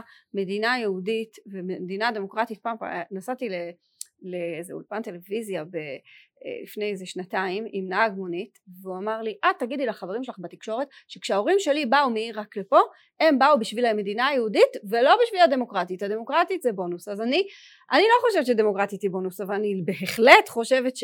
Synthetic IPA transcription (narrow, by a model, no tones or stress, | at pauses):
me̞dinajeuditvememed̪inade̞mo̞kʁat̪it̪̚paːmpa̰nasatile | leezḛṵlpante̞le̞vizjabḛ | lḭfne̞jezeʃnataimimnaaɡmo̞nitveuamaʁliʔad̚t̪ːaɡidilaχaveʁimʃelaχbat̪ikʃo̞ʁet | ʃekʃeao̞ʁimʃe̞libaumeiʁaklepo̞ | e̞mbaubiʃvilame̞d̪inaːjeuditve̞lo̞biʃvilade̞mo̞kʁat̪ithade̞mo̞kʁatit̪zebo̞nusazani | ʔanilo̞χo̞ʃe̞vett͡ʃed̪e̞mokʁat̪it̪ibo̞nusavalanibeɦeχlet̪χo̞ʃe̞vet̪ʃ